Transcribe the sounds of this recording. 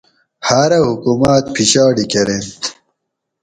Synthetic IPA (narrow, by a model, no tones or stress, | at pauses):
haːɾɐhukumaːt̪̚pʰiɕaːɽikɐɾent̪